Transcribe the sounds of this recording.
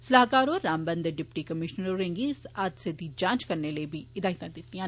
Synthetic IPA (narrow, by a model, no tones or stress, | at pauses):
səlaɦkaːɾoːɾːaːmbə̃nd̪ɖɪpʈikəmɪʃnəɾoɾẽŋɡisaːd̪sed̪iːd͡ʒãːnt͡ʃkəɾneləibʱiːɪd̪aːɦɪt̪ãd̪ɪt̪ːijãː